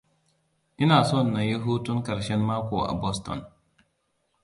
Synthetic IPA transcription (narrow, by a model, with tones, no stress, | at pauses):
ʔɪ˦naː˨sɔ˦˨nːa˨je˦ɦu˦tu˦nkɐ˨ɾʃɛ˦nma˦ko˨a̰˨bɔ˦stɔ̰˨n